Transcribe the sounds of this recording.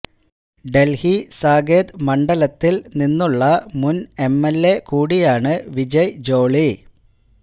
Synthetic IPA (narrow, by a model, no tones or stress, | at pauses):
ɖe̞lhisaːɡeːd̪mɐɳɖɐlɐt̪ːilninːuɭːɐmunemːelːe̞kuːɽijaːɳɨʋid͡ʑɐjd͡ʑo̞ːɭi